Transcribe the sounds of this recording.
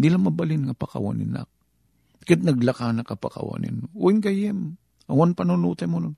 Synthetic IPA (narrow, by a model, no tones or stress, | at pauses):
d̪ilamabalɪnŋapaka̰wa̰nɪ̰na̰k̚ | kɪt̪̚naɡlakanakapa̰ka̰wa̰nɪ̰nuʔɪŋɡajɪm | awanpanʊnuːt̪ajmʊnʊn